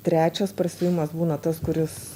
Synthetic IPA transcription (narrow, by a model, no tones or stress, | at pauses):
t̪ʲɾʲæːt͡ʃʲɛspɾɐsʲuːjɪmɐsbuːnɐt̪ɐskʊɾʲɪs